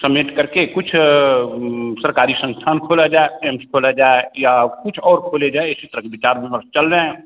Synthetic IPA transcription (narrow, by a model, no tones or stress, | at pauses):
səmiʈkəɾkekʊt͡ʃʰ | səɾkaːɾisə̃nst̪ʰaːnkʰoːlad͡ʒaːeemskʰoːlad͡ʒaːejakʊt͡ʃʰɔːɾkʰoːled͡ʒaːeɪsit̪əɾəɦkebɪt͡ʃaːɾmẽməɾst͡ʃəlɾẽ